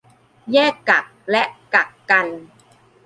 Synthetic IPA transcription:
jɛː˥˩kːa˨˩k̚lɛ˦˥ʔ̚ka˨˩kːa˧n

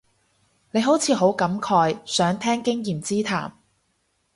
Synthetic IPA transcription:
ne˨˧jɦo˨˥wt͡sʰiː˨˧ɦo˨˥wkɐ˨˥mkʰɔː˧jsœː˨˥ŋt̪ʰɛː˥ŋkɪ˥ŋjiː˨mt͡siː˥t̪ʰa̰ː˨˩m

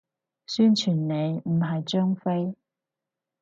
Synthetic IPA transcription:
syː˥nt͡ʃʰyː˨˩nne˨˧jm̩˨˩ɦɐ˨jt͡ʃœː˥ŋfe˥j

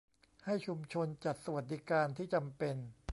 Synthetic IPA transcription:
ha˥˩jt͡ɕʰu˧mt͡ɕʰo˧nt͡ɕa˨˩t̪̚sa˧wa˨˩t̪̚di˦˥kaː˧nt̪ʰiː˥˩t͡ɕa˧mpe˧n

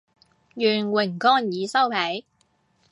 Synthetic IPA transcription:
jyː˨˩nwɪ˨˩ŋkɔː˥njiː˨˧sɐ˥wpʰɛ˨˥j

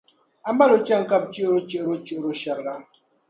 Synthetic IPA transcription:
a˦m̩˦ba˦lo˨t͡ʃa˦˨ŋ̩˦ka˦p̚t͡ʃi˦ɾo˦t͡ʃə˦˨ɾo˦t͡ʃi˦˨ɾo˦ʃa˨ɾɣa˦

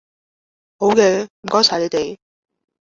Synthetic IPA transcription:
ho˨˥wkɛː˧m̩˨˩kɔː˥jsʰa˨˩le˨˧˥t̪e˨j

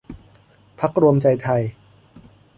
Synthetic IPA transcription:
pʰa˦˥k̚ɾu˧əmt͡ɕa˧jt̪ʰa˧j

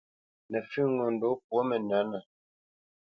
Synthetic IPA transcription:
nə˨fʉ˦ŋɔ˨n˨do˨˦p̚wɔ˦mə˨na˨˦nə˨

